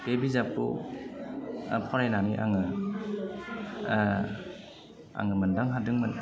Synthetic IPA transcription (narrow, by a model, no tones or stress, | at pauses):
b̥ebizapṵ | pʰɔɾajnaniʔa̰ŋɯ | a̰ŋɯmɯndaŋɦadɯŋmɯn